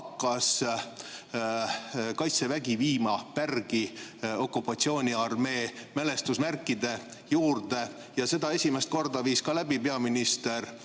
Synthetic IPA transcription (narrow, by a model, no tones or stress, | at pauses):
kːˑɑs | kɑjt̪se̞væɡiviːmɑpærɡ̥io̞kːˑupːˑɑt̪sio̞ːnʲiɑrme̞ːmele̞st̪usmærkːˑid̪̥e̞juːrd̪̥e̞ | jɑse̞d̪ɑe̞sʲimest̪̚ko̞rd̪ɑviːskɑlæbipe̞ɑminist̪e̞r